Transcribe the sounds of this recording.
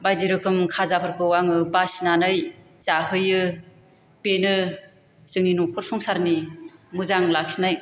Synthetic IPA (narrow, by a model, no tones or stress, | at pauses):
bajziɾɯkʰɯmkʰazapʰɯɾkʰɯwaŋɯbasnanɯjzaɦɯjɯ | penɯ | zɯŋninuŋkʰɔɾsɔŋsaɾnimɯzaŋlak̚sinaj